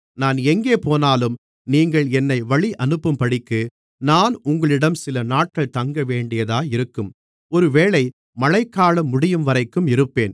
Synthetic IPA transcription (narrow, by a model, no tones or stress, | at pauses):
naːnɛŋɡeːpoːnaːlɯm | niːŋɡɐɭɛnːɐɪʋɐɭiʔɐnɯpːɯmpɐɽɪkːɯ | naːnʊŋɡɐɭɪɽɐmsɪlɐnaːʈ̚kɐɭt̪ɐŋɡɐʋeːɳɖɪjɐðaːɪɾɯkːɯm | ɔɾɯʋeːɭɐɪ | mɐlɐɪkːaːɭɐmːʊɽɪjɯmʋɐɾɐɪkːɯmɪɾɯpːeːn